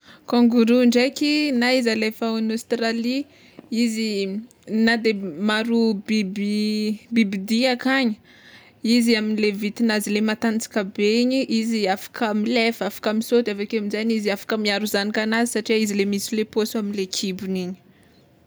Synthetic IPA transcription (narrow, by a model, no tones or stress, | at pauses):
kɔ̃ŋɡuɾuɳɖ͡ʐekinaizalefaunost̪ɾali | izi | nad̪emaɾubibibibid̪iakaɲə̥ | iziaminilevit̪inazilemat̪ant͡si̥kabeiɲiʔiziafḁkəmilefafḁkamisod̪afakeamizaɲiziafḁkəmiaɾuzanikanazisaʈ͡ʂiizilemisuleposuaminlekʰibuniɲi̥